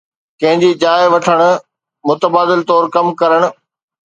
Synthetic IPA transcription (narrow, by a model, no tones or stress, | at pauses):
kɐ̃ɦɪ̃ɲd͡ʑiːd͡ʑaːɪʋɐʈʰəɽ̃ʊ̆ | mʊt̪əbaːd̪ɪlt̪ɔːɾkɐmkɐɾəɽ̃ʊ̆